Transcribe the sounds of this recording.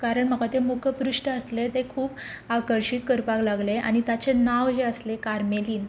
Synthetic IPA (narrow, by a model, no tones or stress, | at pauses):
kaɾəɳm̤əkat̪emukʰəpɾuʂʈəəslet̪ekʰuːpaʋkəɾɕiːt̪kəɾpaklaɡlea̰ɽ̃it̪jat͡ɕenaʋd͡ʑeəslekaɾmeliːn